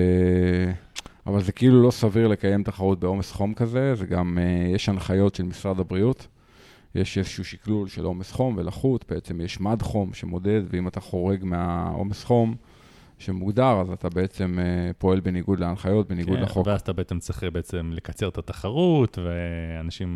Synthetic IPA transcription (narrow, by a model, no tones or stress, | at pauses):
e | a̰valze̞keilulo̞saviʁle̞kaje̞mt̪aχaʁut̚beo̞mesχo̞mkaze̞zeɡamejeʃanχajo̞tʃelmisʁadabʁiut | jʔeʃezeʃuuʃiklulʃelʔo̞mesχo̞mvelaχutbe̞et͡se̞mjeʃmadχo̞mʃe̞mo̞de̞d̪veimataχo̞ʁe̞ɡmeao̞̰mesχo̞m | ʃemuɡd̪aʁazatabe̞et͡se̞mepo̞e̞lbeniɡud̪leanχajo̞t̚beniɡudleχoveazat̪abeet͡semt͡siχebeet͡semle̞kat͡seʁt̪at̪aχaʁut̪veanaʃim